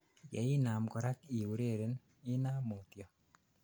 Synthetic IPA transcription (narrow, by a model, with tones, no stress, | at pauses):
jɛ˨i˦na˨mkɔ˨ɾa˦ki˨wu˨ɾe˦˨ɾe˨n | ɪ˦na˦mo˨t̪jɔ˨